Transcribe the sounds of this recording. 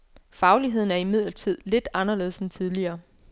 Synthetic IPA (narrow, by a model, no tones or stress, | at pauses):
fɑ̈ʊliɦe̝ð̞̰ˠn̩æɐimið̞̰ˠlɐt͡sʰið̞̰ˠle̝d̥ɑ̈nɐle̝ːsent͡sʰið̞ˠliɐː